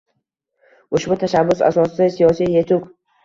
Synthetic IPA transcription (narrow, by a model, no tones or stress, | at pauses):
ʊʃbʊt̪ʰaʃabːʊsa̰sɒsɪd̪asijɒsijjet̪ʰʊk